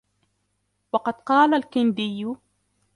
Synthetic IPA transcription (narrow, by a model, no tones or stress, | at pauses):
wɑqɑd̪qɑːlalkɪnd̪ɪjːʊ